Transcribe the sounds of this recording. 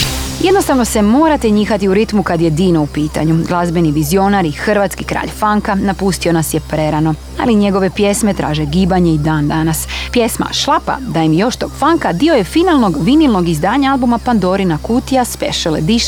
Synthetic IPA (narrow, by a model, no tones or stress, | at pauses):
je̞d̪nost̪aʋno̞se̞mo̞ːɾat̪e̞ɲiːxat̪iuɾit̪mukad̪je̞d̪iːnoupiːt̪a̰ɲuɡlˠazbeniʋizio̞naɾixr̩ʋat̪skikɾa̰ːʎfaŋkanapust̪io̞nasje̞pɾe̞ɾano̞ | a̰liɲe̞ɡo̞ʋe̞pje̞sme̞t̪ɾa̰ːʒe̞ɡiːbaɲe̞id̪aːnd̪anaspje̞sma̰ʃlˠapa̰d̪ajimjo̞ʃt̪o̞ɡ̥faŋkad̪io̞je̞finalˠno̞ɡʋinilˠno̞ɡizd̪aːɲaalˠbumapand̪o̞ɾinakuːt̪iaspḛʃelḛd̪iʃ